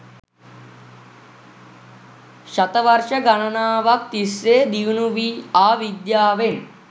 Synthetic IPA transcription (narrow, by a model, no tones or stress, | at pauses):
ʃɐt̪ɐʋɐɾʃɐɡɐɳɐnaːʋɐk̚t̪iseːd̪iʋnuʋiaːʋid̪jaːʋen